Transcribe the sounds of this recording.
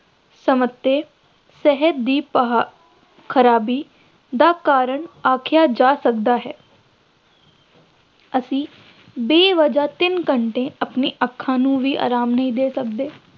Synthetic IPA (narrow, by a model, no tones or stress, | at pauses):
səmət̪ːeː | sɛɦətd̪iːpɦ | kʰəɾaːbiː | d̪aːkaːɾəɳaːkʰɪjaːd͡ʒaːsəkd̪aːɦɛː | əsĩː | beːʋəd͡ʒaːt̪ɪnkəɳʈẽːəpniːʔəkʰːãːnũːʋiːʔa̰ːɾaːmnəɦĩːd̪eːsəkd̪eː